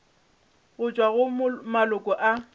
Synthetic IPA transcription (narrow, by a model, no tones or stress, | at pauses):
ɣʊt͡ʃʼwaɣʊmalʊkʼɔʔa